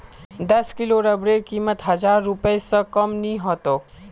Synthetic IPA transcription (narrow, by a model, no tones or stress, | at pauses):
d̪ɐskɪloɾɐbɾeːɾkiːmət̪ɦɐzaːɾːʊpəesɐkɐmnĩɦoːt̪oː